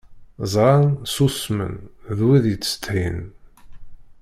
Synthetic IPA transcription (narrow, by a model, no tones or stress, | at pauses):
zˤɾˤɑnsusmə̰nðwiðjəːə̥t̪ːhin